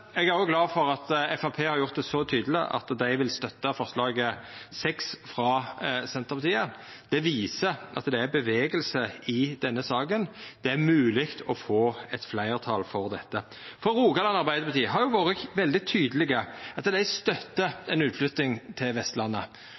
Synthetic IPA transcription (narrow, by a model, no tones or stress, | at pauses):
ɛɡæɾjʊɡlɑːfɔɾɑt̪ɛfɑpʰeːhɑɾjʊʁt̪̚d̪ɛsɔt̪ʰyːd̪əlɪʔɑ̰t̪d̪æɪʋɪlst̪œt̪ːɑfɔʁslɑːɡəsɛksfʁɑsɛnt̪əʁpɑt̪ʰiːən | d̪̥ɛʋiːsəʔɑ̰t̪d̪ɛæɾbəʋeːɡəlsəɪd̪ɛnːəsɑːɡənd̪̥ɛæɾmʉːlɪkt̪ʰɔfoːɛt̪flæɪʁt̪ʰɑ̰ːlfɔʁd̪ɛt̪ːə | fɔɾːuːɡɑlɑnɑʁbæɪd̪əɾpʰɑt̪ʰiːɦɑɾjʊʋɑːɾəʋɛld̪ɪt̪ʰyːd̪əlɪɡəɑt̪d̪æɪst̪œt̪ːəɛnʉːt̪flʉt̪nɪŋt̪ʰɪlʋɛst̪lɑnːə